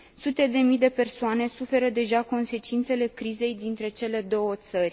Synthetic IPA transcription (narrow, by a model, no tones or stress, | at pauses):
sut̪e̞d̪e̞mijd̪e̞pe̞rsoane̞sufe̞ɾəd̪e̞ʒako̞nse̞t͡ʃint̪se̞le̞kɾize̞jd̪int̪ɾe̞t͡ʃe̞le̞d̪o̞wət̪sərʲ